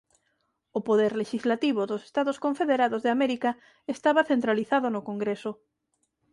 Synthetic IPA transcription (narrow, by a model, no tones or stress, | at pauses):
opoðɛɾleʃizlat̪iβ̞oðose̥st̪aðoskõɱfeðeɾaðozðeameɾika | est̪aβaθent̪ɾaliθaðonʊkoŋɡɾeso